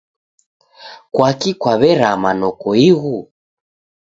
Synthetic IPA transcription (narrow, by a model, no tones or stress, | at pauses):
kwakikwaβɛɾamanɔkɔiɣu